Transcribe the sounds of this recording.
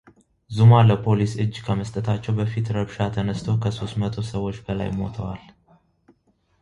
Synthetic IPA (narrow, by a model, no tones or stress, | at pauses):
zumaləpʰo̞lisɨd͡ʒːkʰəməst̪ʼət̪ʰat͡ʃːɛwbəfit̪ɾəbʃat̪ʰənəst̪ʰokʰəso̞st̪mət̪ʰo̞səwːo̞t͡ʃːbəla̰jmo̞̰t̪ʰəwal